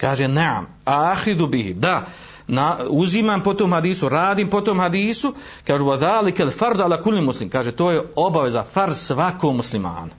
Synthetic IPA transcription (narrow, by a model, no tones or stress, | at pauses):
kaːʒenaʕa̰m | axiðubihḭd̪a | nauzimaːmpot̪oːmhad̪iːsuɾaːd̪iːmpot̪oːmhad̪iːsu | kaːʒuwaðaːlikalfaɾd̪ʕalaːkulːimuslimkaːʒet̪oːjeo̞baʋe̞zafaɾd̪sʋakoːɡmuslima̰ːna